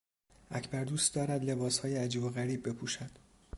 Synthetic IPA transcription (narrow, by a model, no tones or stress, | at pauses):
ʔæcʰbæɾd̪uːst̪̚d̪ɒːɾæd̪le̞bɒːshɒːjeæd͡ʒiːbo̞ɣæɾiːbːe̞pʰuːʃæd̪̥